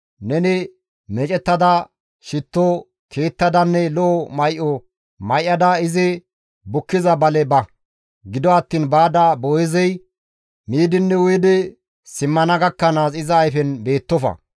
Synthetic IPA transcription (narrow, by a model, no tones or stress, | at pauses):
nɛnɪ | mɛt͡ʃʼɛt̪ːɐd̪ɐ | ʃɪt̪ːo | kʰeːt̪ːɐd̪ɐnːɛlɔʔːmɐjʔɔ | mɐjʔɐd̪ɐɪzɪ | bʊkːɪzɐbɐlɛbɐ | ɡɪd̪ɔɐt̪ːiːnbaːd̪ɐboːjɪzɛj | miːd̪ɪnːɛwʊjd̪ɛ | sɪmːɐnɐɡɐkːɐnaːsɪzɐːjfɛnbe̞ːt̪ːɔfɐ̰